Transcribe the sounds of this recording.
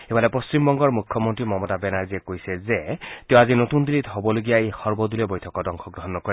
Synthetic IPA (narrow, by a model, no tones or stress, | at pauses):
ebalɛpost͡ʃimbɔŋɡɔɹmukʰːɔmontɹimɔmɔtabɛnaɹziɛkojsɛzɛteʊ̃azinotundilitɦobɔloɡijaexɔɹbɔdulɛbojtʰɔkɔdɔŋkʰɔk̚dɔɦɔnːɔkɔɹɛ